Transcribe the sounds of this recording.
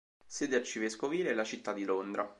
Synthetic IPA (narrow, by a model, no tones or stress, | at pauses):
seːd̪eart͡ʃiveskoviːleɛlːat͡ʃit̪ːad̪ːilond̪ɾa